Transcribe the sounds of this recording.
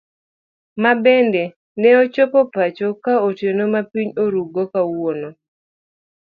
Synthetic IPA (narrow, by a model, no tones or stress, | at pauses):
mabɛndɛ | nɛot͡ʃopɔpat͡ʃokaotjenomapiɲoɾuɡokawono